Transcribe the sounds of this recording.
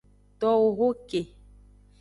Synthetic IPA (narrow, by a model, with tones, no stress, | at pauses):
t̪ɔ˦wo˨ɦo˦ke˨